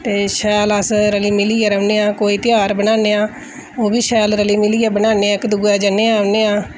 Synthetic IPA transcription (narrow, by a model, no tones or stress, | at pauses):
t̪eːʃɛːləsɾəliːmɪliːaːɾəʋneːãːkoːiːt̪ɪjaːɾbənaːneːãː | oːbiːʃɛːlɾəliːmɪliːaːbənaːneːaːkd̪ʊɡaːd͡ʒəneːaːɾəʋneːãː